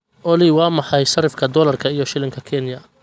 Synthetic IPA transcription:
ʔɔlɪwɑːmɑħɑjʃɐɾɪfkʰɐd̪ɔlɐrkʰɐijɔʃɪlɪŋkʰɐkʰɛnjɐ

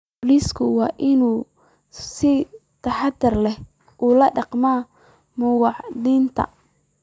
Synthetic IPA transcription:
bliskʰʊwɑːʔɪnuː | sɪ | t̪ʰɐħɑd̪ɐrlɛh | ʔuːlɐɖɑqmaː | mʊɣɑʕd̪iːnt̪ʰɐ̰

